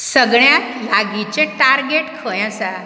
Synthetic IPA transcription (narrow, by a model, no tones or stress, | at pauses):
səɡɳjat̪laɡit͡ɕẽʈaɾɡeʈkʰəjãsa